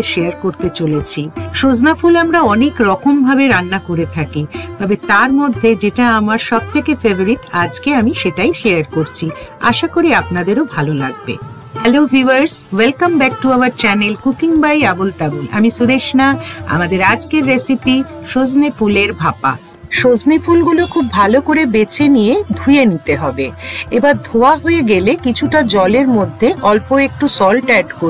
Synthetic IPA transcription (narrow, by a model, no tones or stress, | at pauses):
ʃeaɾkoɾt̪et͡ɕolet͡ɕʰiʃod͡ʑnafulamɾaɔnekɾɔkʰombʱabeɾanːakoɾet̪ʰakit̪ɔbet̪aɾmod̪ʱːed͡ʑeʈaamaɾʃɔb̚t̪ʰekefeboɾiʈad͡ʑkeamiʃeʈajʃeaɾkoɾt͡ɕʰia̰ʃakoɾiapnad̪eɾobʱalolaɡ̚bḛ | hɛloɦiwaɾswelkambɛk̚ʈuawaɾt͡ɕɛnelkukiŋbajabult̪abula̰miʃud̪eʃnaa̰mad̪eɾad͡ʑkeɾːesipiʃod͡ʑnefuleɾbʱapa̰ | ʃod͡ʑnefulɡulokʰubʱalokoɾebet͡ɕʰenijed̪ʱujenit̪eɦɔbeebaɾd̪ʱoaɦoeɡelekit͡ɕʰuʈad͡ʑɔleɾmod̪ʱːeʔɔlpoek̚ʈusɔlʈɛɖko